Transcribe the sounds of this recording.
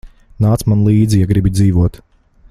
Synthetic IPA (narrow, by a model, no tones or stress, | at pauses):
naːt̪smanlˠiːd̪zijaɡɾibid̪ziːvuɔt̪